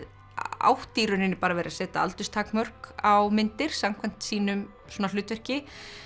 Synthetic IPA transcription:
a̰wht̪iːɾʏnɪnːɪpaːɾavɛjɾasɛːt̪aa̰lt̪ʏst̪ʰaːkmœr̥kawmɪnt̪ɪɾ̥samkʰvajm̥t̪siːnʏm | sɔːnalʏːt̪vɛr̥cɪ

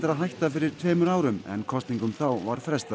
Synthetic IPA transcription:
t̪aɾaðɦajht̪afɪɾɪ̥t̪ʰveːmʏɾaːwɾʏmɛ̰nkʰɔst̪niŋkʏmθawvaɾ̥fɾɛst̪a

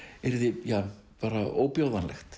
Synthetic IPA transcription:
ɛɾðɪjaː | paːɾao̰ːwpjowðanlɛxt̪

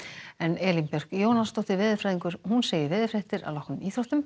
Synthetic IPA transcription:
ɛnɛːlimpjɛr̥kjoːwnanst̪owht̪ɪɾvɪːðɪfɾaːjðiŋkʏɾ̥hunseːjɪɾvɪːðɪfɾɛht̪ɪɾa̰ðlɔwhknʏmiːθɾowht̪ʏm

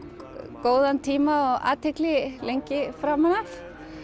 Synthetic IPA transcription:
koːwðant̪ʰiːmaɔɣa̰ːt̪ʰɪklɪlejɲcɪfɾaːmanaf

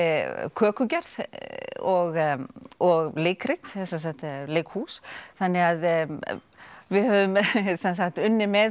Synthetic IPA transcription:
kʰœːkʏcɛɾð | ɔɣ | ɔɣleːjkɾɪt̪ɛs̬ɛns̬akt̪leːjkhuːsθanːɪɣað | vɪðhœːvʏmsɛnsakt̪ʏnːɪmɛð

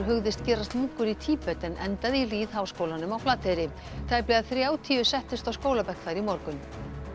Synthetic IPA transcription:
ɾɦʏɣðɪst̪cɛːɾast̪muhkʏɾit̪ʰiːpɛt̪ɛnʔɛnt̪aðiliːð̥haːwskoːwlanʏmawplaːt̪ʰejɾɪ | t̪ʰaːjplɛɣaðθɾjaːwt̪ʰiːʏsɛht̪ɪst̪awskoːwlapɛhkθaɾimɔɾkʏn

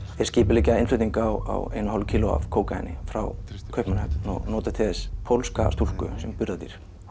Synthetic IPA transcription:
ɛ̥sciːpɪliːcːɪaɪnflʏt̪niŋkawa̰wejnʏhɔlcʰiːlʊa̰v̥kʰowkajnɪ̰fɾa̰wkʰœɥhpmʏnhɛpnɔ̰ɣnɔːt̪ɪ̥t̪ʰɛðɪspʰowlska̰st̪ur̥kʏ̰sɛmpʏɾðat̪iɾ̥

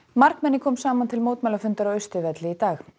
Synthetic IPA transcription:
maɾkmɛnːɪkʰɔːmsaːmant̪ʰɪlmoːwt̪mɛjlafʏnt̪aɾaœɥst̪ɪvɛt̪lɪit̪aːx

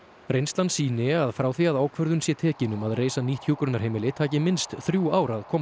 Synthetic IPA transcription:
ɾejnst̪lansiːnɪaðfɾaːwθiaðaːwkʰvœɾðʏnsjɛt̪ʰɛːcɪnʏmaðreːjsaniːht̪ʰjukɾʏnaɾ̥hejmɪlɪt̪ʰaːcɪmɪnst̪θɾjuaːwɾaðkʰɔːm

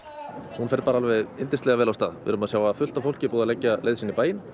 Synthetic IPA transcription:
hunfɛɾpaːɾaalvɛðent̪ɪ̥nst̪ɛɣavɛːlawst̪a̰ðvɪ̰ɾʏmaðsjawvafʏl̥t̪afowl̥cɪpuːðalɛcːalejðsinːɪpaːjɪn

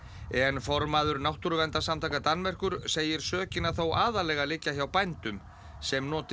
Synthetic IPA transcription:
ɛnfɔɾmaːðʏɾnawht̪uɾʏvɛnt̪asamt̪ʰaːkat̪anmɛr̥kʏɾseːjɪɾ̥sœːcɪnːaθowʔaːðalɛɣalɪcːaçawpajnt̪ʏm | sɛmnɔːt̪

